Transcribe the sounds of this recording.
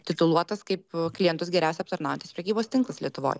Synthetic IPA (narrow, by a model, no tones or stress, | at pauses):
t̪ʲɪt̪ʊlˠuɔt̪ɐskɐɪpklʲɪjɛnt̪ʊsɡʲɛɾʲæʊsʲɛɐp̚t̪ɐɾnɑːjɛnt̪ʲɪspɾʲɛkʲiːboːst̪ʲɪŋklˠɐslʲiɛt̪ʊʋo̰ːj